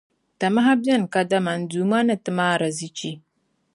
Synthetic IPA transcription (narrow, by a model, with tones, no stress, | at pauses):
ta˨ma˦ɦa˦bɛ˦n˨ka˦da˦ma˨n˨duː˨ma˦nɨ˨tɨ˨maː˦˨ɾa˨zi˦t͡ʃi˦